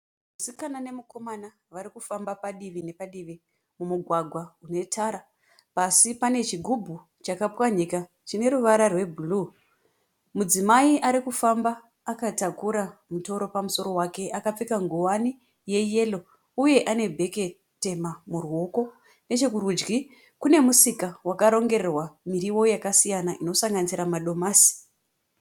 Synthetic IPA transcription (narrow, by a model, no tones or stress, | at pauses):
musikanane̞muko̞mana | ʋaɾikufambapaɗiʋine̞paɗiʋi | mumuɡʱwaɡʱwaune̞tʰaɾa | pasipane̞t͡ʃiɡʱubʱu | t͡ʃakapwaɲika | t͡ʃine̞ɾuʋaɾarwe̞bʱuluː | mud͡zimaiʔaɾikufambaː | katakuɾamuto̞ɾo̞pamuso̞ɾo̞wake̞ʔakap͡fikaŋɡuwani | je̞je̞lo̞ | uje̞ʔane̞bʱe̞ke̞ | te̞mamuruo̞ko | ne̞t͡ʃe̞kuɾud͡ʒɡi | kune̞musikawakaɾo̞ŋɡe̞ɾerwamiɾiwo̞jakasijanaʔino̞saŋɡanisiɾamaɗo̞maːsi̥